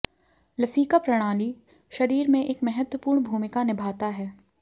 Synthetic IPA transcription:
lɐsiːkapɾɐɽ̃aːli | ʃɐɾiːɾmẽʔeːkmɛɦət̪wəpuːɾɳbʱuːmɪkanɪbʱaːt̪aɦɛː

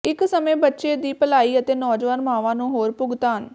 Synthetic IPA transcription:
ɪksəmẽːbətːʃeːd̪iːpəlaːiːət̪eːnɔːd͡ʒʋaːnmaːʋãːnũːɦoːɾpʊɡt̪aːɦən

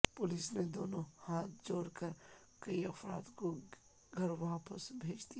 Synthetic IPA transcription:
pʊlɪsned̪oːnõhaːt̪̚ʰd͡ʒoːɾkɐɾ | kɐiɐfɾa̰ːd̪ko | ɡʱɐɾʋaːpəsbʱeːd͡ʒd̪i

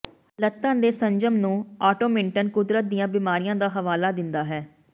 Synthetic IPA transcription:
lət̪ːãːnd̪eːsəɲd͡ʒəmnũːaːʈoːmɪɳʈənkʊd̪ɾət̪̚d̪ijãːbiːmaːɾijãːd̪aːɦəʋaːlaːd̪ɪnd̪aːɦɛː

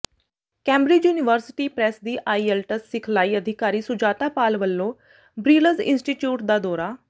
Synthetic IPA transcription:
kɛ̃ːmbɾɪd͡ʒjuːnɪʋəɾsɪʈiːpɾɛsd̪iːʔaːiːɛlʈəsːɪkʰlaːiːəd̪ʱɪkaːɾiːsʊd͡ʒaːt̪aːpaːlʋəlːõː | bɾiːləzɪ̰nsʈiːʈjuːʈ̚d̪aːd̪ɔːɾaː

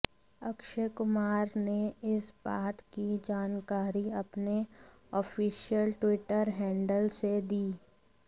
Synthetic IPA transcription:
ɐkʃəkʊmaːɾneɪsbaːt̪kid͡ʒaːnkaːɾiɐpne | ɔːfiːʃijəlʈwɪʈəɾɦɛ̃ːɳɖəlsed̪iː

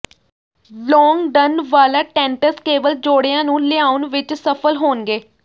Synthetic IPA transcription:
lɔːŋɡɖənʋaːlaːʈɛ̃ːɳʈəskeːʋəld͡ʒoːɽejãːnũːlɪaːʊnʋɪt͡ʃsəpʰəlɦoːnɡeː

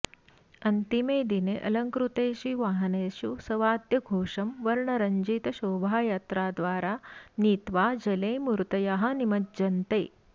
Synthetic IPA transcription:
ɐnt̪imeːd̪ineʔɐ̰lɐŋkɾut̪eːʃiʋaːɦɐneːʃusɐʋaːd̪jɐɡʱoːʂɐmʋɐɾɳɐɾɐɲd͡ʒiːt̪ɐʃoːbʱaːjaːt̪ɾaːd̪ʋaːɾaːniːt̪ʋaːd͡ʒɐleːmuɾt̪ɐjaɦɐ̆nimɐt̪̚d͡ʒɐnt̪ḛː

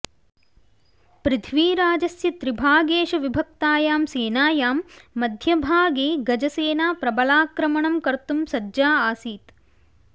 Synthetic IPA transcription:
pɾɪt̪ʰʋiːɾaːd͡ʒɐsjɐt̪ɾibʱaːɡeːʃɐʋibʱɐk̚t̪aːjaːmseːnaːjaːmːɐd̪ʱjɐbʱaːɡeːɡɐd͡ʒɐseːnaːpɾɐbɐlaːkɾɐmɐɳɐmkɐɾt̪umsɐdd͡ʒaːaːsiːt̪

